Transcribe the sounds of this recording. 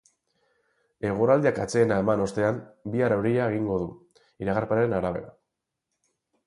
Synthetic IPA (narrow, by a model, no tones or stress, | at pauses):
e̞ɣ̞uɾald̪iakat͡se̞ːnae̞mano̞st̪e̞ambiarewɾiaeɣiŋɡo̞ðu | iɾaɣaɾpaaɾenaɾaβ̞e̞̰ɾa